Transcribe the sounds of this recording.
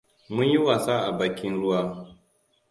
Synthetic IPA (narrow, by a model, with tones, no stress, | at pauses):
mʊ˦ɲji˦waː˨saː˦ʔa˨baː˨kʲɪ˦nɽʊ˦waː˦